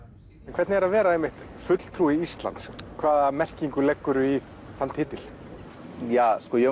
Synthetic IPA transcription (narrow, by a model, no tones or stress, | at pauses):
ɛnkʰvɛɾt̪nɪɛɾaðvɛːɾaejmːɪht̪fʏt̪l̥t̪ʰɾuːiist̪la̰nt̪skʰvaːðamɛr̥ciŋkʏlɛkːʏɾʏi | θant̪hɪːt̪ɪl̥ | jaːskɔjɛ